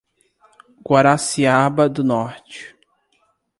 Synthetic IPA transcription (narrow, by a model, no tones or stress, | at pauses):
ɡwaɾasiabɐd̪ʊnɔɾt͡ʃɪ̥